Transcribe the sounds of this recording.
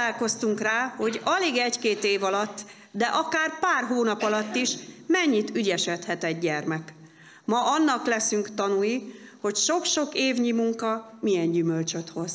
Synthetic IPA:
aːlko̞st̪uŋkraːho̞ɟɒleːɡɛckeːt̪eːvɒlɒt̪ː | d̪ɛʔɒkaːrpaːrɦoːnɒpɒlɒt̪ːiʃmɛɲːit̪yɟɛʃɛt̪hɛt̪ɛɟːɛrmɛk | mɒɒnːɒklɛsyŋkt̪ɒnujiho̞cʃo̞kʃo̞keːvɲimuŋkɒmijɛɲɟymølt͡ʃøt̪ho̞z̥

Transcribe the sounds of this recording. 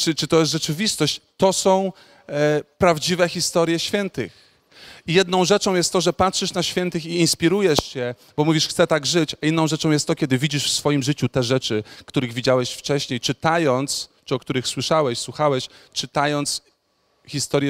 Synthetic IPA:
t͡ʂɘt͡ʂɘt̪ɔjɛs̬t̪ʐɛt͡ʂɘvʲist̪ɔɕt͡ɕt̪ɔsɔ̃w̃ | pɾavd͡ʑivɛxʲist̪ɔɾjɛɕfʲjɛnt̪ɘx | ijɛd̪nɔ̃w̃ʐɛt͡ʂɔ̃w̃jɛst̪t̪ːɔʐɛpatʂɘʂnaɕfʲjɛnt̪ɘxiːnspʲiɾujɛʂt͡ɕɛ | bɔmuvʲiʂxt̪sɛt̪aɡʐɘt͡ɕainːɔ̃w̃ʐɛt͡ʂɔ̃w̃jɛst̪ːɔkʲɛd̪ɘvʲid͡ʑiʂfsfɔjimʐɘt͡ɕut̪ɛʐɛt͡ʂɘkt̪uɾɘɣvʲid͡ʑawɛɕft͡ʂɛɕɲejt͡ʂɘt̪ajɔnt̪st͡ʂɨɔk̚t̪uɾɘxswɘʂawɛɕswuxawɛɕt͡ʂɘt̪ajɔnt̪s | xʲist̪ɔɾjɛ

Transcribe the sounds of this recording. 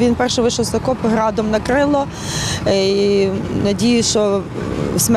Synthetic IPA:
ʋʲinpɛrʃɛʋɪʃɔwst̪ɐkɔpɦɾɑd̪ɔmnɐkɾɪlˠɔ | inɐdʲijʊʃɔ | sʲm

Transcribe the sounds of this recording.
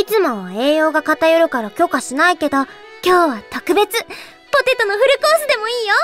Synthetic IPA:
it͡sɨmo̞e̞ːjo̞ːɡakat̪ajoɾɯ̟kaɾakʲo̞kaɕinaike̞d̪o̞ | kʲo̞ːβat̪o̞kɯ̟be̞t͡sɨ | po̞t̪e̞t̪o̞no̞ɸɯ̟ɾɯ̟ko̞ːsɨd̪e̞mo̞iːjo̞

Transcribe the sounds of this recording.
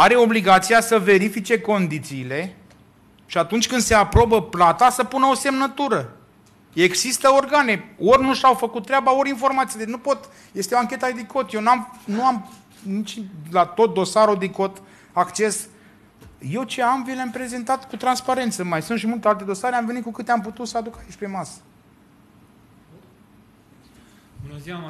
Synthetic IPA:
aɾe̞o̞bliɡat̪sijasəve̞ɾifit͡ʃe̞ko̞nd̪it̪siːle̞ | ʃiat̪unt͡ʃʲkɨnd̪se̞apɾo̞bəplat̪asəpunəo̞se̞mnət̪uɾə | e̞ɡsist̪əo̞rɡane̞o̞rʲnuʃawfəkut̪̚ːɾʲeabao̞ɾʲinfo̞rmat̪sijad̪enupo̞t̪ | je̞st̪eoaŋkʲe̞t̪aed̪iko̞t̪jewnamnuam | nit͡ʃʲlat̪o̞t̪̚d̪o̞saɾud̪iko̞t̪ | akt͡ʃe̞s | je̞wt͡ʃe̞amvileampɾe̞ze̞nt̪at̪kut̪ɾanspaɾe̞nt̪səmajsunʃimult̪e̞alt̪e̞d̪o̞saɾeamve̞nit̪̚kukɨt̪eamp̬ut̪ut̪səad̪ukait͡ʃʲpe̞masə̥ | u

